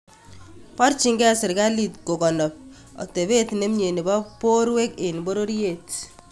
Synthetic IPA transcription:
pɔ˦rt͡ʃi˦ŋɡɛ˦sɪ˨ɾka˦li˨tko˨kɔ˨nɔ˨p̚ | ɔ̰˨te˨βe˦tne˦mɲe˨ni˨bɔ˦po˦ɾwe˦ke˨n˨bo˦ɾo˦ɾje˦˨t

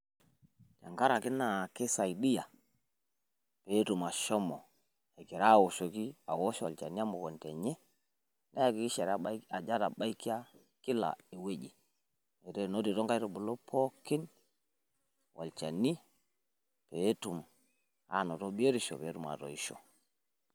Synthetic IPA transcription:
d͡ʒa˨ŋka˦ɾa˨ki˦na˨ke˦sa˨jdi˦ja˨ | pe˨˦tu˨ma˨ʃo˦mɔ˨ | e˨ɡi˨ɾa˦˨wo˨ʃo˨ki˦a̰˨wo˦ʃɔ˦wa˨lt͡ʃa̰˨ni˦a˦mo˨ko˨nte˨ɲɛ˦ | na˦ja˦˨ki˨ki˦ʃe˨ɾa˨d͡ʒa˦ɾa˨ɓa˦i˦ki˦a˦ | ki˦la̰˨e˨we˦d͡ʒi˨ | e˨ɾe˦˨no˦di˨tɔ˦ŋka˦jɾo˦bu˨lo˦pʰo˦kːi˦n | wʔa̰˨lt͡ʃa˨ni˦ | pe˨˦tu˨m | a̰˨no˨to˦be˦ɾi˨ʃo̰˨pe˨˦tu˨ma̰˨to̰˨i˦ʃo̰˨

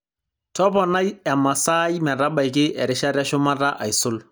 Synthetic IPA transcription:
tɔ˦pɔ˨na˦jɛ˨ma˨sa˦jmɛ˨ɾa˦ba˨jk̬ɪ˦ʔɛ˨ɾɪ˦ʃa˦ɾa˦ʃʊ˦ma˦ta˦ʔa˨i˨sʊ˦l

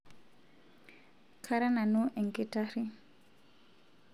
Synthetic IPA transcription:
kʰa˦ɾa˦na˨nu˦ʔɛ˨ŋkɪ˦ta˦ɾi˦

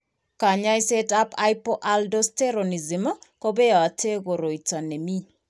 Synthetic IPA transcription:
ka˨ɲa˦i˦se˦tapa˦jpo˦ʔaldo˦ste˦ɾo˨ni˨zi˨mo˦ko˦be˦a˨a˨tʰe˦ɡo˨ɾo˨i˨ta˨ne˨mi˦

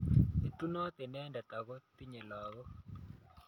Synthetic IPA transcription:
e˨t̪u˦no˦t̪e˨nɛ˦nda˨t̪a˨kɔ˦t̪i˦ɲɛ˨lɔː˨ɡɔ˦

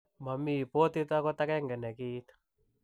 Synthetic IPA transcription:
ma˨mi˦˨po˦t̪i˦ta˦kɔ˦t̪a˦kɛ˦ŋɡɛ˨nɛ˨ki˦t̪

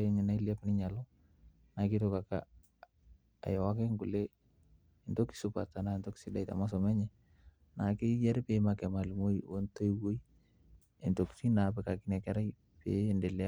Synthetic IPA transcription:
e˦ɲɛ˨na˦i˦la˦pnɪ˦ɲa˨lɔ˦ | na˨ki˦to˦ka˨ka̰˦ | a̰˨jɔ˨wa˦ke˦ŋku˨le˦ | ɪ˨ndo˦ki̥˨sʊ˦pa˨ta˨na˦˨nto˦ki̥sɪ˦da˨jta̰˨ma˦s̬ɔ˨mɛ˦ɲɛ˨ | na˨ke˦ja˦ɾɛ˦pema˨kɛ˨ma˨lmo˦io˦nto˦iwo˦i˦ | e˨nto˨ki̥ti˦na˨pɛ˨ka˨ki˦nɛ˨kɛ˦ɾa˦i | pḛ˨ndɛ˨l

